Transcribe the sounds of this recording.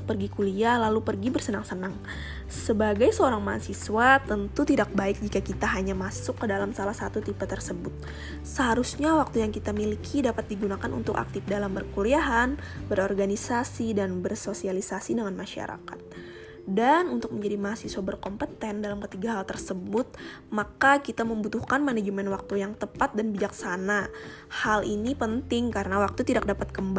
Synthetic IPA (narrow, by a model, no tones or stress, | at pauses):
pərɡikulialalupərɡibərsənaŋsənaŋ | səbaɡajsəoɾaŋmaɦa̰sisuwat̪ənt̪ut̪idak̚baɪk̚d͡ʒikakit̪aɦaɲamasʊkːədalamsalahsat̪ut̪ipat̪ərsəbʊt̪̚ | səɦaɾusɲawak̚t̪ujaŋkit̪amilikʰidapat̪̚diɡunakanṵnt̪ʊka̰k̚t̪ɪfdalambərkuliaɦanbəɾɔrɡanisasidanbərsosialisasidəŋanmaʃa̰ɾa̰ka̰t̪̚ | danunt̪ʊk̚məɲd͡ʒadimaɦasiswabərkɔmpət̪ɛndalamkət̪iɡaɦalt̪ərsəbʊt̪̚ | makakit̪aməmbut̪uhkanmaned͡ʒəmɛnwak̚t̪ujaŋt̪əpat̪̚danbid͡ʒaksana | halʔinipənt̪ɪŋkaɾənawak̚t̪ut̪idak̚dapat̪̚kəmb